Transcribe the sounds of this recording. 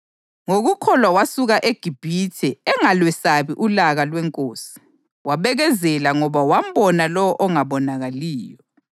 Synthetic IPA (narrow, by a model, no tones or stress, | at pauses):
ŋoɣukʰɔlwawasuɣaʔeɡ̥ʱib̥ʱitʰɛɛŋalwɛsaβiʔulaɣalwɛŋkʼoːsi̥ | waβɛɣɛzɛlaŋɔβawam̩bɔnalɔwɔʔɔŋaβɔnaɣaliːjɔ